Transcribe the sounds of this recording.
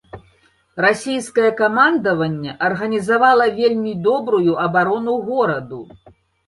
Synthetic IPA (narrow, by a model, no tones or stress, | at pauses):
rasʲejskɐjɐkamand̪ɐvɐnʲːɐʔɐrɣɐnʲizavalˠɐvʲelʲmʲid̪ɔbɾujuʔɐbaɾɔnuɣɔɾɐd̪u